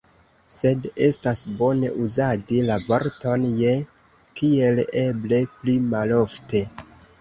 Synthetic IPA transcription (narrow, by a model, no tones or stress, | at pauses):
se̞de̞stasbo̞ne̞̰ʔuzadilavo̞ɾto̞nje̞ | kie̞le̞ble̞plimalo̞fte̞